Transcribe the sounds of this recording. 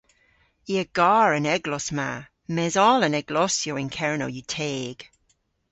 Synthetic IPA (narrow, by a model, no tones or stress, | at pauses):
iəɡ̥aːɹənɛɡlɔsma | mɛzɔːlənɛɡ̥lɔsjowɪnkʰɛɹno̰wjutʰeːɡ̥